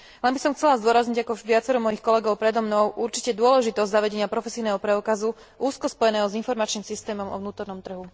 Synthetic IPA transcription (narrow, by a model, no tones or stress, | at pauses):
lɛnbisɔmxt͡sɛlazd̪ʊɔɾazɲiɟakɔʋɪat͡sɛɾɔmɔjixkɔlɛɡɔʊpɾɛd̪ɔmnɔʊʔuɾt͡ʃi̥cɛd̪ʊɔlɛʒit̪ɔzɟzaʋɛɟɛɲɪapɾɔfɛsiːnɛːɦɔpɾɛukazu | ʔuːskɔspɔjɛnɛːɦɔzinfɔɾmat͡ʃniːmsist̪ɛːmɔmɔ̰ʋnuːt̪ɔɾnɔmt̪r̩ɦu